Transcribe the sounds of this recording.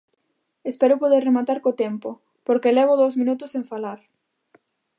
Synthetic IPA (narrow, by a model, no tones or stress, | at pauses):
espɛɾʊpoðerːemat̪aɾkot̪ɛmpʊ | poɾkelɛβ̞ʊðowzmĩnut̪ʊsẽɱfalaɾ